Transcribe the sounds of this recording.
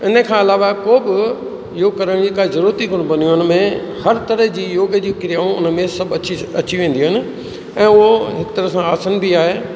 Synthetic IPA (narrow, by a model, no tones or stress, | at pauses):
ɪnəkʰãːɪlaːʋakoːbɪ | joːɡkɐɾəɽ̃d͡ʑiːkaːzɐɾuːɾət̪ikʊɽ̃bɐnijuʊnə̆mẽ | hɐɾt̪ɐɾəɦd͡ʑiːjoːɡəd͡ʑiːkɪɾijaːũʊnə̆mẽsɐbt͡ɕɐt͡ɕiʋẽːn̆d̪iuʊɦɪnɪ̆ | ɛ̃ːʊɦoɦɪkt̪ɐɾəsãaːsənbiaːɦeː